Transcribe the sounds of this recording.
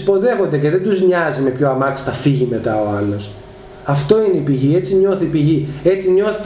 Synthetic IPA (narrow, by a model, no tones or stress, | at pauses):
po̞ðe̞ɣo̞nd̪e̞ce̞ðe̞nd̪uzɲɐzime̞pçoɐmɐkst̪ɐfiʝime̞t̪ɐo̞ɐlo̞s | ɐft̪o̞ineipiʝie̞t͡siɲo̞θipiʝie̞t͡siɲo̞θit̪